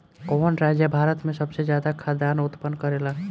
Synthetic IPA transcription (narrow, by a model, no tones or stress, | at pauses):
onɾad͡ʒjəbʱaɾət̪mẽsəbsed͡ʒjad̪akʰad̪anʊt̪pənkəɾela